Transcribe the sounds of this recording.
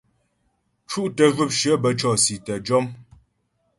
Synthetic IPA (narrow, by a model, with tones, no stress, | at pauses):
t͡ʃu˦ʔtə˨vʉ˦˨p̚ʃə˨˦bə˨t͡ʃɔ˦˨si˨tə˨d͡ʒɔ˦m